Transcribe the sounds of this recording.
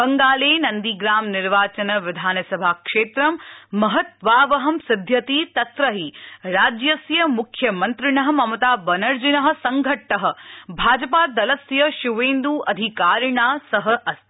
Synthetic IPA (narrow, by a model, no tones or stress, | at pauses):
bɐŋɡaːleːnɐnd̪iɡɾaːmniɾʋaːt͡ʃɐnɐʋɪd̪ʱaːnɐsɐbʱaːkʂeːt̪ɾɐmːɐɦɐt̪ʋaːʋɐɦɐmsɪd̪ʱjɐt̪it̪ɐt̪ɾɐɦiɾaːd͡ʒjɐsjɐmukʰjɐmɐnt̪ɾɪɳɐɦɐ̆mɐmɐt̪aːbɐnɐɾd͡ʒinɐɦɐ̆sɐŋɡʱɐʈːɐɦɐ̆bʱaːd͡ʒɐpaːd̪ɐlɐsjɐʃuʋeːnd̪uːʔɐd̪ʱikaːɾɳaːsɐɦɐʔɐst̪